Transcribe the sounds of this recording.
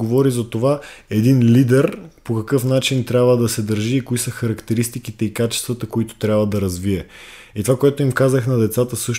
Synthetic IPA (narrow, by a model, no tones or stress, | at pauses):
ovɔɾizɐt̪ovaɛd̪inlid̪ɛɾpokɐkɤfnat͡ʃint̪ɾʲabvəd̪ɐsɛd̪əɾʒiːkoisəxɐɾɐkt̪ɛɾist̪ikit̪ɛikat͡ʃɛ̥st̪vɐt̪əkoit̪o̥t̪ɾʲjabvəd̪ɐɾɐzviɛ | it̪ovakoɛt̪oimkazəxnɐd̪ɛt̪sat̪əsɤʃ